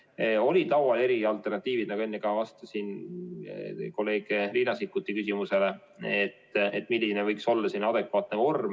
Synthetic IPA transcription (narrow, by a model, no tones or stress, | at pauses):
o̞lʲit̪ɑwwɑle̞ɾiɑlt̪ːˑe̞rnɑt̪ːˑiːvid̪̥nɑɡue̞nːikɑvɑst̪ɑsin | ko̞lːe̞ːɡ̥eriːnɑsikːˑut̪ːˑikysimuse̞le | et̪ːˑet̪ːˑmilʲːinevɤjkso̞lːɑsinɑd̪e̞kvɑːt̪neo̞rm